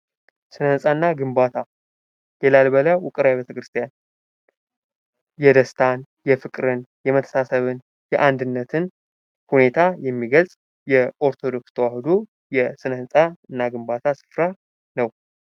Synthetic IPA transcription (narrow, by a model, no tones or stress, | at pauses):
sɨnəhɨnsʼaɨnːaɡɨmbat̪ʰa | jɛlalbəlajwʊkʼɨɾawbet̪ʰəkɾɨst̪ʰijan | jɛd̪əst̪ʰan | jɛfɨkʼɾɨnjɛmət̪ʰə̥sasəβɨn | jɛʔand̪ɨnːət̪ʰɨn | hune̞t̪ʰajɛmːiɡəlsʼ | jɛʔo̞ɾt̪ʰo̞d̪o̞kst̪ʰəwahɨd̪o | jɛsɨnəhɨnsʼaɨnːaɡɨmbat̪ʰasɨ̥fɾa | nəw